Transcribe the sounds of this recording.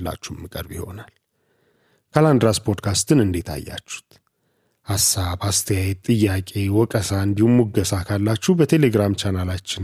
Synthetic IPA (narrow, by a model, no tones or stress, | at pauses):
lːa̰t͡ʃːuhmːɨkʼə̰ɾbiho̞̰nal | kʰaland̪ɾaspʰo̞d̪kʰast̪ɨnɨnd̪et̪ʰa̰jːa̰t͡ʃːu̥t̪ | hasːabast̪ʰəjajɛt̪ʼɨjːakʼe̞wɔkʼəsaɨnd̪ihumːuɡəsakʰalːat͡ʃːubət̪ʰe̞le̞ɡɾamt͡ʃʰanalat͡ʃːɪn